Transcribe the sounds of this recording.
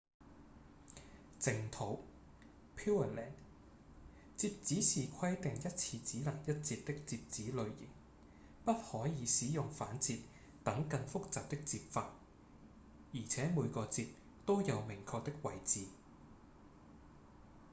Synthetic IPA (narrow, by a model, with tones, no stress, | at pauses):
t͡sɪ˨ŋt̪ʰo˨˥w | pʰiː˥wɐ˨˩lɛ̰ː˨˩n | t͡siː˧p̚t͡siː˨˥t͡sʰiː˨˩kʷʰɐ˥jt̪ɪ˨ŋjɐ˥t̚t͡sʰiː˧t͡siː˨˥lɐ˨˩ŋjɐ˥t̚t͡si˧p̚t̪ɪ˥k̚t͡siː˧p̚t͡siː˨˥lɵ˨˧ɥjɪ̰˨˩ŋ | pɐ˥t̚hɔː˨˥jiː˨˧siː˨˥jʊ˨ŋfaː˨˥nt͡siː˧t̚ | t̪ɐ˨˥ŋkɐ˧nfʊ˥k̚t͡saː˨p̚t̪ɪ˥k̚t͡siː˧p̚faː˧t̚ | jiː˨˩t͡sʰɛː˨˥muː˨˧jkɔː˧t͡siː˧t̚ | t̪o˥wjɐ˨˧wmɪ˨˩ŋkʰɔː˧k̚t̪ɪ˥k̚wɐ˨˩jt͡siː˨˧